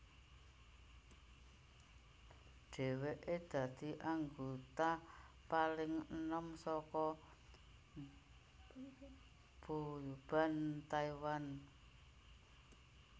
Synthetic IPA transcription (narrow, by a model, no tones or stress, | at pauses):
ɖ̥e̤weʔed̪̥ä̤d̪̥i̤ʔaŋɡot̪a | palɪŋənəmsɔkɔ | b̥ub̥a̤nt̪aiwan